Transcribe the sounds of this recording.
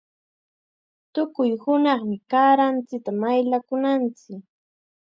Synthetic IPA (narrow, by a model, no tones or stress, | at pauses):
t̪ʊkʊjhʊnɑχmɪkaːɾant͡sɪk̚t̪amajlakʊnant͡sɪk